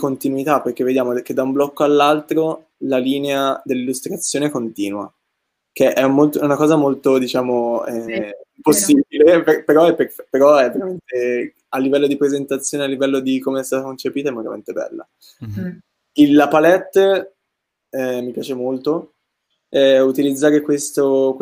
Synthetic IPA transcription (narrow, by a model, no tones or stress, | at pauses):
kont̪inuit̪apːerk̟evːed̪jaːmod̪ɛk̟ːed̪ːaumblɔkːoalːalt̪ɾo | laliːnead̪elːilːust̪ɾat̪sːjoːneɛkont̪ḭːnwa̰ | k̟eʔɛmolt̪oɛunakɔːzamolt̪od̪it͡ʃaːmoɛposːibileppeɾɔɛpːerfɛpːeɾɔɛvːeɾament̪e | alːivɛlːod̪ipɾezent̪at̪sːjoːnealːivɛlːod̪ikomeɛst̪aːt̪akont͡ʃepiːt̪aɛmːoɾa̰mḛnt̪ebɛ̰lːa̰ | ilapalɛt̪ː | ɛmːipjaːt͡ʃemolt̪o | ɛut̪ilid̪zːaːɾekwest̪ok